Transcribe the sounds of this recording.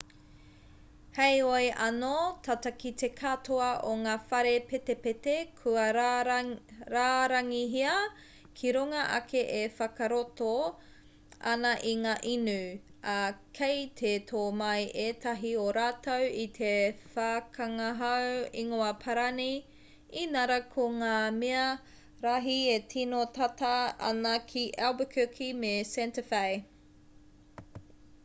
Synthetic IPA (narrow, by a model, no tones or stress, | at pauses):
hejojʔɐnotʰatɐkitekʰatoɐʔoŋaːfɐɾepetepetekʰuɐ | ɾaːɾɐŋiɦiɐ | kʰiɾuŋɐʔɐ̰kʰeʔefɐkɐɾoto | ʔɐ̰nɐʔiŋaːʔinʉʔɐkʰejt̪ʰet̪ʰoːmɐjʔeːt̪ʰɐɦioɾaːtowit̪ʰefaːkɐŋɐɦɐwiŋoɐpʰɐɾani | inɐɾɐkʰoŋaːmeɐ | ɾaɦietʰinotɐtɐɐ̰nɐkʰiʔawbəkʰʉkʰimesɛntəfaj